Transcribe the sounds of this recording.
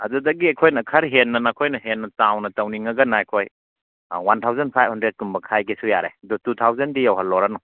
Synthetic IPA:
ɐ̰dudɐɡiɐjkʰojnɐkʰɐɾɦenːɐnakʰojnɐɦenːɐtawnɐtɐwniŋɐɡɐnajkʰoj | wantʰawzanpʰajb̚hundɾed̚kumbɐkʰajɡesujaɾḛɐdɔtutʰawzɐndijawɦɐlːɔɾanɔ

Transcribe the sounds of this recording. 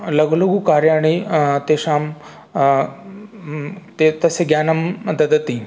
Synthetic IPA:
lɐɡluɡukaɾjaːɽ̃it̪eɕam | t̪et̪əseɡjanəmd̪ɐd̪ət̪i

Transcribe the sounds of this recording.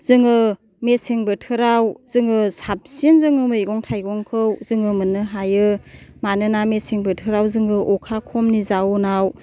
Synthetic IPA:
z̥ɯŋɯ | meseŋbɯtʰɯɾawz̥ɯŋɯsap̚sinzɯŋɯmɯjɡɔŋtʰajɡɔŋkʰɯwzɯŋɯmɯnːɯɦajɯmanɯnameseŋbɯtʰɯɾawzɯŋɯʔɔkʰakʰɔmnizawnaw

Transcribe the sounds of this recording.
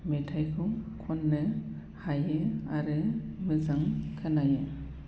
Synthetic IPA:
metʰajkʰukʰɔnːɯ | hajɯaɾɯmɯzaŋkʰɯnajɯ

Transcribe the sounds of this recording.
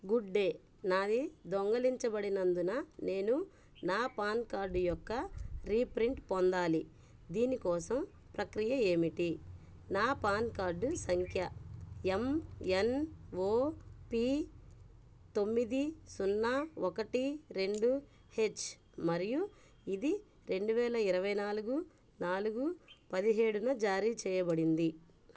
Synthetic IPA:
ɡuɖːe̞ː | naːd̪id̪ɔŋɡɐliɲt͡ʃɐbɐɽinɐnd̪unɐne̞ːnu | naːpaːnkaːɾɖujɔkːɐɾiːpɾiɳʈpɔnd̪aːli | d̪iːnikɔːsɐm | pɾɐkɾijɐe̞ːmiʈi | naːpaːnkaːɾɖusɐŋkʰjɐemenoːpiː | t̪o̞mːid̪isunːaokɐʈiɾe̞ɳɖu | he̞t͡ʃː | mɐɾiju | id̪i | ɾe̞ɳɖuʋɛːlɐiɾɐʋɐjnaːluɡu | naːluɡupɐd̪iɦe̞ːɽunɐd͡ʒaːɾiːt͡ʃɛːjɐbɐɽind̪i

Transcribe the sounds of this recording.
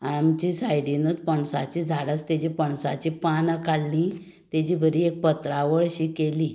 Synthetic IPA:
amt͡ɕisajɽinəd̪pəɳsa̰t͡ɕid͡zʱaɽət͡st̪ed͡ʑipəɳsa̰t͡ɕipanakaɽlĩ | t̪ed͡ʑibʱəɾiek̚pət̪ɾaʋəɭɕikeli

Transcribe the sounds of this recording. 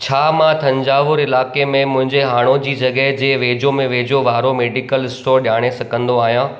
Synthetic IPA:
t͡ɕʰaːmãt̪ʰɐ̃ɲd͡ʑaːʋʊɾɪlaːkemẽmʊ̃ɦɪ̃ɲd͡ʑeɦaːɽ̃od͡ʑiːd͡ʑɐɠəɦd͡ʑeːʋeːd͡ʑomẽʋeːd͡ʑoʋaːɾomeːɖɪkəlɪsʈoːɾɗjaːɽ̃esɐɡʱə̃nd̪oaːɦijãː

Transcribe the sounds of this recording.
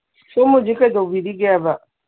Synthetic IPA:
sumud͡ʒikadabidiɡabaʔ

